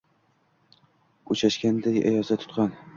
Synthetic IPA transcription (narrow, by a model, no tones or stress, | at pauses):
ʊt͡ʃʰaʃkʲand̪aja̰jɒsat̪ʰʊ̥t̪qɑn